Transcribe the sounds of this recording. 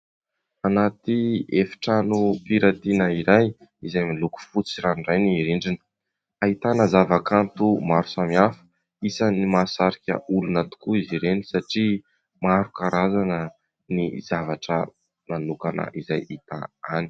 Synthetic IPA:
anat̪iefi̥ʈ͡ʂanupiɾat̪inəiɾaj | izajmiluku̥fut͡siɾanɖ͡ʐajniɾiɳɖ͡ʐinə̥ | ait̪anəzavakant̪umaɾu̥samiafə̥ | isənimasaɾikʲə̰ulunat̪u̥kuiziɾenisaʈ͡ʂi | maɾukaɾazanə | nizavaʈ͡ʂə | nanukanə̰ʔizajʔit̪a̰ani̥

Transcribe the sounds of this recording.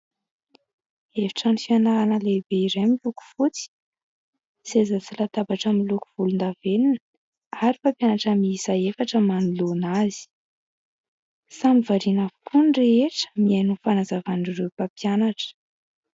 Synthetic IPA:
evi̥ʈ͡ʂanifianaɾanəlebeiɾemiluku̥fut͡si̥ | sezat͡silat̪abaʈ͡ʂəmiluku̥v̥ulund̪avenin | aɾipapjanaʈ͡ʂəmiisaefaʈ͡ʂəmanilonazi̥ | samivaɾinavu̥kʰunreeʈ͡ʂə̥mianufanazavanirewpapianaʈ͡ʂə̥

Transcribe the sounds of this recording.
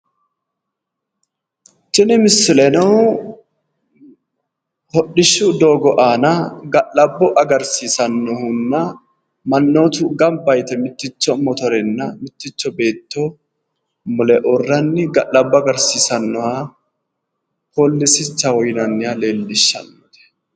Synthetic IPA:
t͡ʃːɪnɪmɪsːɪlɛnɐw | hɔɗɪʃːʊd̪o̞ːɡɔʔaːnɐɡɐʔːɐbːɔʔɐɡɐɾsiːsɐnːɔhʊnːɐ | mɐnːoːt̪ʊɡɐmbɐjt̪ɛmɪt̪ːɪt͡ʃːɔmɔt̪ɔɾɛnːɐmɪt̪ːɪt͡ʃːɔbe̞ːt̪ːɔ | mʊlɛʔɔrːɐnːɪɡɐʔːɐbːɔɐɡɐɾsiːsɐnːɔha | holːɪsɪt͡ʃːɐwɔjnɐnːɪjale̞ːlːɪʃːɐ̰nːɔt̪ɛ̥

